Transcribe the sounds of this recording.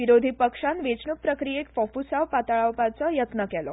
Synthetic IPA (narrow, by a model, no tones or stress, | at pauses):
ʋiɾod̪ʱipəkʂãnʋet͡snuk̚pɾəkɾijekfɔfusawpat̪aɭawpat͡sɔjət̪nəkɛlɔ